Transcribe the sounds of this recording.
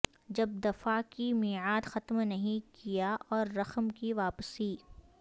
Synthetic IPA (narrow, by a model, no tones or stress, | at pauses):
d͡ʒɐb̚d̪ɐfakimiːʕaːd̪xɐt̪mnɐɦĩkijaʔɔːɾːɐxmkiʋaːpsiː